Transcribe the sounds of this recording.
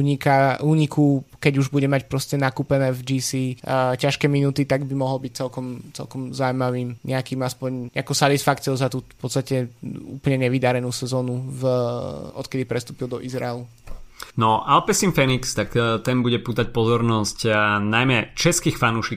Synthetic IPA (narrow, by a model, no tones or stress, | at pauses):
uɲikaʔuːɲikʰukɛɟuʒbuɟɛmac̚pɾɔscɛnakuːpɛnɛːvd͡ʒisiːcaʃkɛːminuːt̪it̪aɡbimɔɦɔlbic̚t͡sɛlkɔmt͡sɛ̰lkɔmzawmaʋiːmɲɛakiːmaspɔɲɲɛakɔsat̪isfakt͡sɪɔʊzat̪upɔt̪t͡st̪acɛṵːpl̩ɲɛɲɛʋid̪aɾɛnuːsɛzɔːnuv | ɔ̰t̪kɛd̪ipɾɛst̪uːpild̪ɔʔizɾa̰ɛlu | nɔʔalpɛsimfɛnikst̪akt̪ɛnbuɟɛpuːt̪ac̚pɔzɔɾnɔscnajmɛt͡ʃɛskiːxfanuːʃik